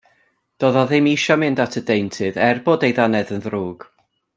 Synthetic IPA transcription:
d̥oːðɔðɪmiʃɔmɪndatʰədejntʰɨðɛrboːdejðanɛðənðruːɡ̥

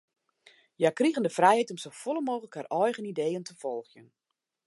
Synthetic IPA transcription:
jakriɣəndəfrɛjhɛjtɔmsowfɔləmoːɣələkharʔɔjɣənidejəntʰəfɔlˠxjən

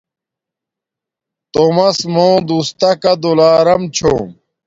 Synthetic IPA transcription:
t̪omɐsmõːd̪ust̪ɐkɐd̪olaːɾɐmt͡ɕʰo

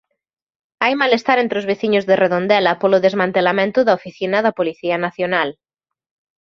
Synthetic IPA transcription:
ajmalest̪aɾẽnt̪ɾozβeθiɲozðereðond̪ɛlɐpoloðezmãnt̪elamẽnt̪ʊðaofiθinaðapoliθiɐnaθjonal

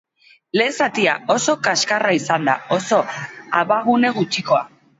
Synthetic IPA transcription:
le̞ːsat̪iao̞so̞kaskaraisand̪a̰o̞so̞a̰βaɣ̞une̞ɣ̞ut͡ʃiko̞a

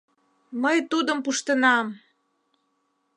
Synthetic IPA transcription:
məjt̪ud̪əmpuʃt̪ənɑm

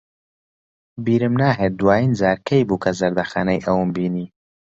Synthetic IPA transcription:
biːɾɨmnaːɦet̚d̪waːjinzaːɾkʰɐjbuːkʰɐzɐɾd̪ɐxa̰ːnɐjʔɐwɨmbiːniː

